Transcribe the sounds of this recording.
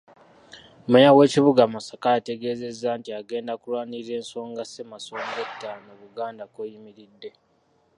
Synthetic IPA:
mujawe̞ːciβuɡamasakaate̞ɡe̞ːze̞zːantiaɡe̞ːndakulwaːniɾe̞ːnso̞ːŋɡasemaso̞ːŋɡetːaːnoβuɡaːndakojimiɾidːe̞

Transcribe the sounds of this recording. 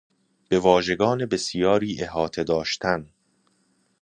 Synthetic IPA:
b̥e̞vɒːʒe̞ɡɒːne̞be̞sijɒːɾiːʔe̞ɦɒːt̪ʰe̞d̪ɒːʃt̪ʰæn

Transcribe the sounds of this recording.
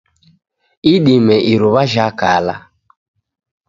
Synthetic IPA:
iɗimɛʔiɾuβaʒakala̰

